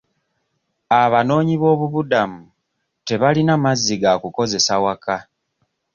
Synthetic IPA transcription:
aβano̞ːɲiβo̞ːβuβudamu | te̞βalinamazːiɡakuko̞ze̞sawaka

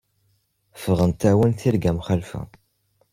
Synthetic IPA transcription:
fəʁənt̪æwənθiɾɡæmχəlfæ̰

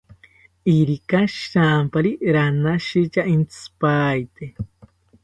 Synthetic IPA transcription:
iɾikaʃɾampaɾiɾanaʃit͡ʃaint͡sɨ̥pajt̪e

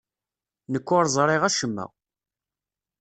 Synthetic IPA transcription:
nəkʷːʊɾˤzˤɾˤɪʁæʃəmːæ̰

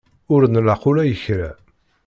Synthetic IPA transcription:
ʊɾnəlaqʊlæjəçɾæ

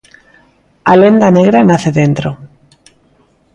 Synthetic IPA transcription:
alend̪aneɣɾanaθeðent̪ɾo

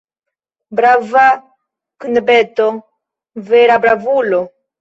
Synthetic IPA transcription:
bɾava | knbeto | veɾabɾavulo

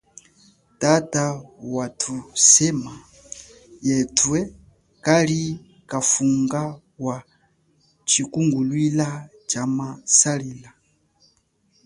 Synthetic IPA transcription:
tatawatʰusɛma | jɛtʰwɛ | kali | kafuŋɡa | wa | t͡ʃikuŋɡulwila | t͡ʃamasaɾila

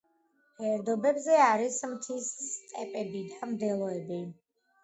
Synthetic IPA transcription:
hɛɾd̪ɔbɛbzɛaɾismt̪ʰisst̪ʼɛpʼɛbid̪amd̪ɛlˠɔɛbi

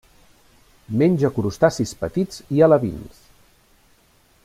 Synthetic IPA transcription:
menʲʒəkuɾust̪asispət̪iz̥iələβḭns

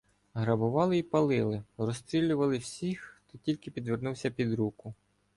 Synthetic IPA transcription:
ɦɾɐbʊʋɑlˠɪipɐlˠɪlˠɪrɔst̪ɾʲilʲːʊʋɐlˠɪwsʲixt̪ɔtʲilʲkɪpʲid̪ʋernuwsʲɐpʲid̪ɾukʊ

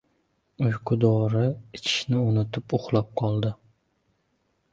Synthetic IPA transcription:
ʊjqʰʊd̪ɒɾɪɪt͡ʃʰɪ̥ʃnɪʊnɪt̪ʰɪpʊχlˠap̚qʰɒlˠd̪ɪ

